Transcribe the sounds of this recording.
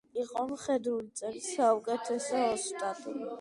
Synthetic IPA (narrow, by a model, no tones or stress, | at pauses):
iqʼɔmχɛd̪ɾulit̪sʼɛlisaukʼɛt̪ʰɛsɔːst̪ʼat̪ʼi